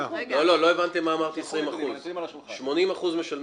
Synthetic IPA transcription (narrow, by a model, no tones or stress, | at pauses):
lolo̞lo̞e̞vant̪emːaːmaʁt̪iesʁimaχuz | ʃmo̞nimaχuzmeʃal